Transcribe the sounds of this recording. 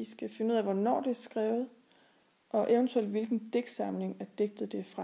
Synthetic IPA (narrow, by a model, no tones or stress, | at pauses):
isɡ̥æfe̝nəuð̰ˠæʋɒnɒ̰ːd̥e̝æɐsɡ̥ʁɛːʊð̞̩ˠ | ʔɒ̽ʔeʊənt͡sʰuel̰d̥ʋe̝lɡ̥n̩d̥eɡ̥sɑ̈mle̝ŋæɐd̥eɡ̥̚d̥ð̩ˠd̥e̝fʁɑ̈